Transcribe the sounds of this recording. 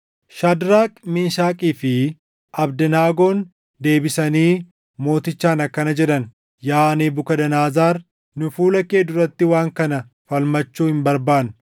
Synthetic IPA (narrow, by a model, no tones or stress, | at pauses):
ʃɐd̪ɾaːkʼmɪnʃaːkʼiːfɪ | ʔɐbd̪ɐnaːɡo̞ːn | d̪e̞ːbɪsɐniː | mo̞ːt̪ɪt͡ʃːaːnɐkːɐnɐd͡ʒɛᶑɐn | jaːneːbʊkɐd̪ɐnaːzaːɾ | nʊfuːlɐkeːd̪ʊɾɐt̪ːɪwaːŋkɐnɐ | fɐlmɐt͡ʃːuːhɪmbɐɾbaːn